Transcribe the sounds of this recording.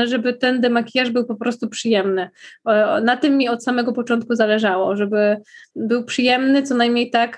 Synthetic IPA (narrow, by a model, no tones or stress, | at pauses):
ʐɛbɘt̪ɛnd̪ɛmakʲijaʐbɘwpɔpɾɔst̪upʂɘjɛmnɘ | nat̪ɨmːʲiɔt̪samɛɡɔpɔt͡ʂɔnt̪̚kuzalɛʐawɔʐɛbɘbɘwpʂɘjɛmnɘt̪sɔnajmɲejt̪ak